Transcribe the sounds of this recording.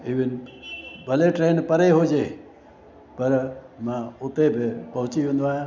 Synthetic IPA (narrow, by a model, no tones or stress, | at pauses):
iʋɪnbəleʈɾenpəɾeɦod͡ʒe | pəɾmãut̪ebʱepə̃ɦʊ̃t͡ʃiũnd̪ʋaj̃